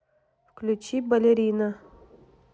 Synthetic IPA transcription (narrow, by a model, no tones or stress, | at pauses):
fklʲut͡ɕibɐlʲeɾʲinɐ